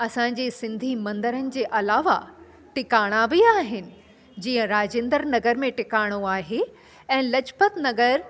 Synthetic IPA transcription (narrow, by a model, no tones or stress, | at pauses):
ɐsãɲ̆d͡ʑeːsɪ̃nd̪ʱimɐ̃nd̪əɾənɪ̆d͡ʑeːʔɐlaːʋa̰ | ʈɪkaːɽ̃abiaːɦɪnɪ̆ | d͡ʑiːə̃ɾaːd͡ʑẽːnd̪əɾnɐɡəɾmẽʈɪkaːɽ̃oaːɦe | ɛ̃ːlɐd͡ʑpət̪nɐɡəɾ